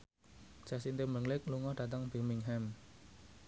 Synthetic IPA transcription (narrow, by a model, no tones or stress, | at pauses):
d͡ʒ̥a̤sint̪ɪməŋlɪk̚luŋɔd̥a̤t̪əŋbimiŋɦɛm